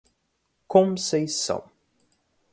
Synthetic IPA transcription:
kʰɔ̃mseɪ̥sʌ̰̃m

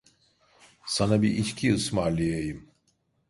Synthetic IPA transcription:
sanabiʔiʃcʰiɯsmaːɾlʲijejɯm

